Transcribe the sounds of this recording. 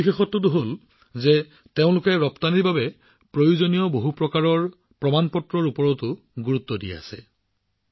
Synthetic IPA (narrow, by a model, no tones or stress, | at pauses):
ixexɔtːʊtʊɦol | zɛ | teʊ̃lʊkɛɹɔptaniɹbabɛ | pɹojuzonijɔboɦupɹɔkaɹɔɹ | pɹɔmanpɔtɹɔɹupɔɹɔtʊ | ɡuɹutːɔdijɛ̰a̰sɛ̰